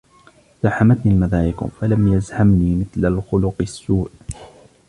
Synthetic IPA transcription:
z̥aħamat̪niːalmaðaːjɪkʊ̰falamjazhamniːmɪθlalxʊlʊqɪsːuːʕ

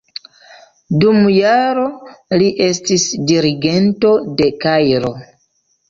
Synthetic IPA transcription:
dumjaɾo̞liʔe̞stisdiɾiɡe̞nto̞de̞kajɾo̞

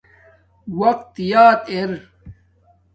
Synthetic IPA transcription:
wɐq̚t̪jaːt̪eɾ

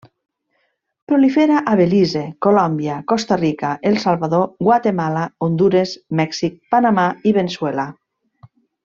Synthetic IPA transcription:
pɾolifeɾaʔaβelizekolɔmbjakost̪arikaʔelˠsalˠβaðoɡwat̪emalaond̪uɾesmɛksik̚panamaiβenswɛla

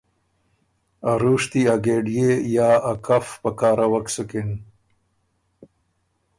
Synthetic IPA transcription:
aɾuʂt̪iaɡeːɖijejaːakɐfpɐkaːɾɐwɐksukin

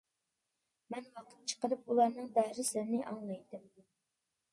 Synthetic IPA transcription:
mɛnwɑqʰə̥t̪̚t͡ʃʰə̥qəɾɨp̚ulˠɑɾnɨŋd̪æhɾɪslɪɾnɪʔɑŋlˠɑjt̪ɨm

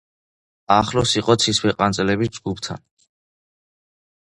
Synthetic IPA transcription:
aχlɔsiqʼɔt̪sʰiswɛqʼant̪sʼlɛbid͡ʒɡupt̪ʰa̰n

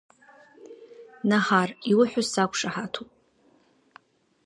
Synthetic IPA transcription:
naħariwʊħʷᶣʊsakʷʰʂaħatʰupʼ

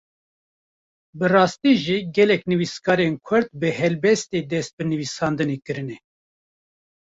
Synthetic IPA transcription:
bɨrɑːst̪iːʒiːɡɛlɛknɨviskɑːɾenkʰʊɾt̪̚bɨhɛlbɛst̪eːd̪ɛst̪̚bɨnɨvisɑːnd̪ɨneːkɨɾɨnɛ

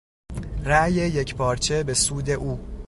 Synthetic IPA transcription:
ræje̞je̞cʰpʰɒːɾt͡ʃʰe̞be̞suːd̪e̞ʔuː

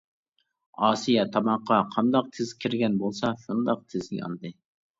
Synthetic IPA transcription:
ɑːsijɛt̪ʰɑmɑqːɑqʰɑnd̪ɑq̚t̪ʰɪzkʲʰɪɾɡʲɛnbolˠsɑʃund̪ɑq̚t̪ʰɪz̰jɑ̰nɨd̪ɨ

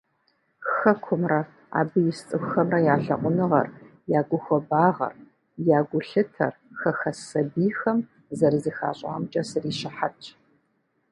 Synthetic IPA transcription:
xɐkʷʰʊmrɐ | a̰ːbɨjɪst͡sʼɨxʷxɐmrɐjaːɬɐ̰qʷʼʊnɨʁɐ̰r | jaːɡʷʊxʷɔbaːʁɐ̰r | jaːɡʷʊɬɨtʰɐ̰rxɐxɐsɐbiːxɐm | zɐrzixa̰ːɕʼa̰mt͡ʃʼɐsɨriːʃɪħat͡ʃʰʼ

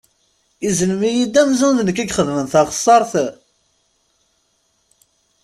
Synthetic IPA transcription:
izləmijid̪æmzænðnəkːæɡχəðmənθɑʁəsˤːɑɾˤθ

